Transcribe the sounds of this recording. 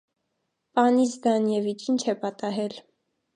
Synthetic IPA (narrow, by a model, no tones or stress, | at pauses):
pɑnisd̪ɑnjɛvit͡ʃʰint͡ʃʰɛpɑt̪ɑɦɛl